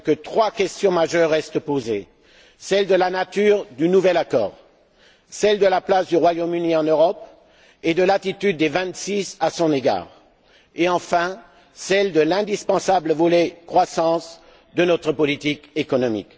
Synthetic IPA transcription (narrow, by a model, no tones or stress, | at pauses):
kət̪χwakʲɛst̪jɔ̃maʒœʁːɛst̪poze | sɛld̪əlanat̪yʁd̪ynuvɛlakɔ̰ːʁ | sɛld̪əlaplasd̪yʁwajomyniɑ̃nøʁɔp | ed̪əlat̪it̪yd̪ːevɛ̃t̪sisasɔ̃neɡa̰ːʁ | eɑ̃fɛ̃ | sɛld̪əlɛ̃d̪ispɑ̃sabləvɔlekχwasɑ̃s | d̪ənɔt̪χəpɔlit̪ikekɔnɔmḭk